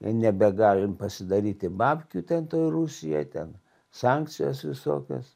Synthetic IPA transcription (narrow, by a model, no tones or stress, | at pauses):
ɪnʲɛbʲɛɡɑːlʲɪmpɐsʲɪd̪ɐɾʲiːt̪ʲɪbɑːpʲkʲuːt̪ʲɛnt̪oːjɾusʲɪjo̰ɪt̪ʲɛn | sɑŋktt͡ssʲɪjo̰ːsʋʲɪso̰ːkʲo̰ːs